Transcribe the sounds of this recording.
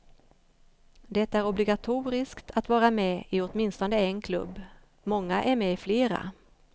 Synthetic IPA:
d̪ɛt̪ːaæɾɔblɪɡat̪ʰuːɾɪskt̪ʰat̪vɑːɾamɛɪɔt̪mɪnst̪ɔnd̪əɛnkʰlɵ̰bː | mɔŋːaʔæɾmɛɪfleːɾa̰

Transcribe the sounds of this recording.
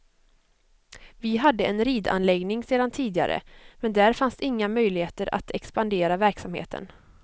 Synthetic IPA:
vɪɦad̪ːəɛnɾiːd̪a̰nlɛɡnɪŋseːd̪ant̪ʰiːd̪ɪa̰ɾʔə̰mɛnd̪æɾfansd̪ɪŋːamœjlɪheːt̪əɾʔa̰t̪ʰɛkspand̪eːɾavæɾksamhḛːt̪ʰə̰n

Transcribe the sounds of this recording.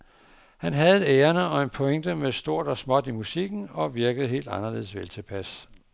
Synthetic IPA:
hænɦæð̩ˠeeːɐnəɒ̽e̝npʰɒ̽eŋd̥əmesd̥o̝ɐ̰d̥ɒ̽smɒ̽d̥imusiɡ̥n̩ɒ̽ʋiɐɡ̥əð̞̩ˠɦe̝̰ːld̥ɑ̈nɐle̝ð̞̩̰ˠsʋelt͡sʰe̝pʰæs

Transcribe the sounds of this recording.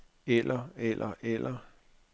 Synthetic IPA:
elʔɐelʔɐʔelʔɐ

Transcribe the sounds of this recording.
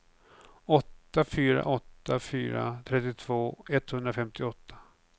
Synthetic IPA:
ɔt̪ːafyːɾa̰ʔɔt̪ːafyːɾa̰t̪ʰɾɛt̪ːɪt̪ʰv̥oːɛt̪hɵnd̪ɾafɛmt̪ɪɔt̪ʰːḁ

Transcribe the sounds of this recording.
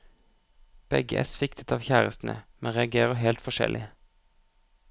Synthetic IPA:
b̥ɛɡəʔæ̰sfɪkt̪ʰət̪ʰɑːʋçæːʁəst̪n̩ə̰mɛnʁɛɑɡeːʁəɦɛːlt̪fɔʃɛ̰lʔɪ

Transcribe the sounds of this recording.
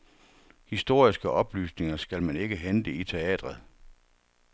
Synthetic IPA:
hisd̥o̝ɐ̰isɡ̥əʔɒ̽b̥ly̰ːsne̝ŋɐsɡ̥ælmæne̝ɡ̥əɦend̥əit͡sʰe̝ɛ̰ːd̥ʁɐð̩ˠ

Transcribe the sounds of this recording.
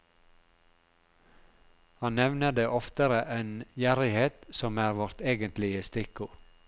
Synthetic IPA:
hɑnnɛʋnəd̪eːʔɔft̪əɾəʔeːnjæɾɪheːt̪sɔmæːɾʋɔɾt̪eːɡənt̪lɪəst̪ɪkʊ

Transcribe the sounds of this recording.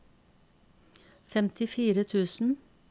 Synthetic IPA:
fɛmt̪ʰɪfiːɾət̪ʰʉːsn̩

